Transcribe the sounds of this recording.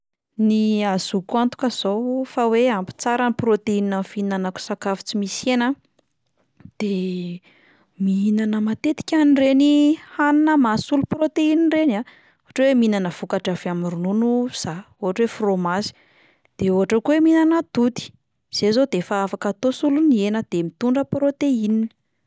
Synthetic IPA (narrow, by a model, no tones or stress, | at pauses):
niazukuant̪u̥kəz̥owfaweampi̥t͡saɾəniprot̪eininamfinanaku̥sakavi̥t͡simisena | d̪̥e | miinanəmat̪et̪i̥kʲanirenihaninəmasuluprot̪einirena | oɦaʈ͡ʂweminanəv̥ukaʈ͡ʂavamrununuz̥a | oɦaʈ͡ʂwefromazi̥ | d̪̥eoɦaʈ͡ʂəkuweminanad̪̥ud̪i̥ | z̥ezod̪efaafakat̪osulunienəd̪̥emit̪uɳɖ͡ʐəprot̪einin